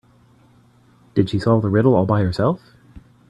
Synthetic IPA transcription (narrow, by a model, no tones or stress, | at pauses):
d̥ɨd̥ʃisɔvˠðəɹɪɾl̩ˠɔlˠbaɪə˞sɛlˠf